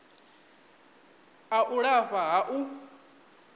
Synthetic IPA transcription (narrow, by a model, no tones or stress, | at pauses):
aʔuɺaɸaɦaʔu